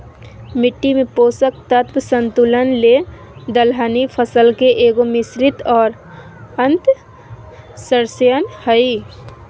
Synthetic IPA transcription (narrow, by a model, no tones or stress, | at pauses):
mɪʈːimẽpoːsək̚t̪ət̪wsə̃nt̪ulənle | d̪əlɦanipʰəsəlkeʔeːɡomɪsɾɪt̪ɔːɾ | ə̃nt̪ | səɾsjənhəi